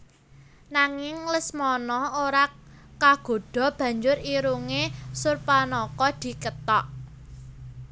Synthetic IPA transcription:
naŋɪŋləsmɔnɔhoɾa | kaɡ̥o̤ɖ̥ɔ̤b̥ä̤ɲd͡ʒʊɾiɾuŋesurpanɔkɔd̪̥i̤kət̪ɔʔ

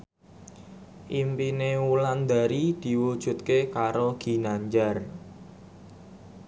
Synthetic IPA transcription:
ʔimpinewuland̪a̤ɾid̪̥i̤wud̥ʒ̥ṳt̪̚kekaɾoɡ̥i̤naɲd͡ʒar

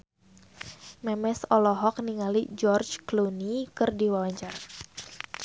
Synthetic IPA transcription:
mɛmɛsɔlɔɦɔk̚niŋalid͡ʒɔrt͡ʃklunikɨrdiwawaɲt͡ʃara

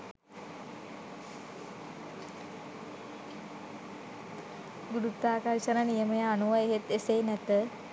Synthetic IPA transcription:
ɡuɽut̪ːaːkarʃənənijəməjaːnuʋajeɦet̪eseːnɛt̪ə

